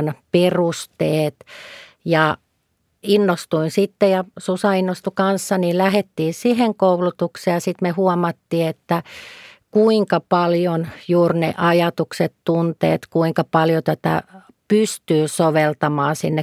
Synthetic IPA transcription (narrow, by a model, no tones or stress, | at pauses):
nperust̪eːt̪jɑ | inːost̪uinsit̪ːejɑsusɑinːost̪ukɑnsːɑnilæhet̪ːiːsiheŋkoulut̪ukseːjɑsit̪mehuɔmɑt̪ːiːet̪ːækuiŋkɑpɑljonjuːrnḛʔɑjɑt̪ukset̪t̪unt̪ḛːt̪kuiŋkɑpɑljot̪æt̪æ̰ | pyst̪yːsoʋelt̪ɑmɑːsinːe